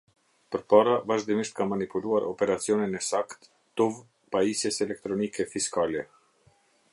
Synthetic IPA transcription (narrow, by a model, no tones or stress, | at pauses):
pəɾpaɾavaʒd̪imiʃt̪̚kamanipuluaɾʔɔpɛɾat͡siɔninɛsakt̪ː | uv | paisjɛsɛlɛk̚t̪ɾɔnikɛfiskalɛ